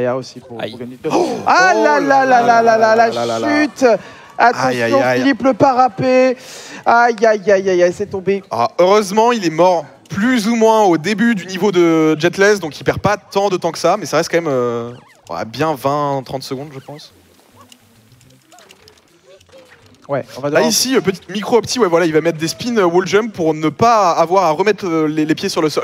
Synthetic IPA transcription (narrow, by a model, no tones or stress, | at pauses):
jaosip̪ | alalalalalalalayt̪ | at̪ɑ̃ajɔ̃ilipləpaʁape | ajajajajasɛt̪ɔ̃bea̰øʁøzmɑ̃ilɛmɔʁ | plyzumwɛ̃od̪ebyd̪ynivod̪əd͡ʒɛt̪lɛzd̪ɔ̃kilpɛʁpat̪ɑ̃d̪ət̪ɑ̃kə̥samɛsaʁɛst̪̚kɑ̃mɛmø̰ | a̰bjɛ̃vɛ̃t̪χɑ̃t̪səɡɔ̃d̪ʒəpɑ̃s | wɛ̃vaaisiøpət̪i̥t̪mikχoɔpt̪iwɛvwalailvamɛt̪χd̪espinøwulʒɛmpuʁnəpaːvwaʁaʁəmɛt̪χølelepjesyʁləsɔl